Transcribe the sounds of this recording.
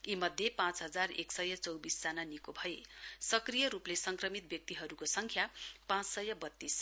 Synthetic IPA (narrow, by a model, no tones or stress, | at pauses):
imʌd̪ʱjepãt͡sɦʌd͡zarḛksʌjʌt͡sʌwbisd͡zananikobʱʌjesʌkrijʌɾuplesʌŋkrʌmit̪̚bjʌk̚t̪iɦʌɾukosʌŋkʰjapãt͡ssʌjʌbʌt̪ːis